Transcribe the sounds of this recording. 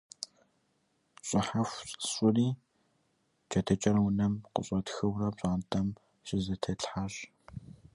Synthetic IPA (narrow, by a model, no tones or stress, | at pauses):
ɕʼɪħafʷʼɕʷʼʊriː | t͡ʃɐtʰɐt͡ʃʼɐɾɐwʊnɐmqə̰ɕʼɐtxɨwrɐpɕʷʼaːntʰʼɐm | ɕɪzɐtʰɐɬħaɕ